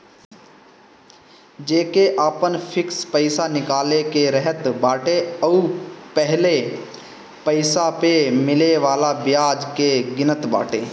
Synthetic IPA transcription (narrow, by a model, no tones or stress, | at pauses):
d͡ʒeːkeʔaːpənpʰɪkspəɪsanɪkaːlekeɾəɦət̪baːʈeəupəɦle | pəɪsapemɪleʋaːlabɪjaːd͡ʒkeɡɪnət̪ba̰ːʈeː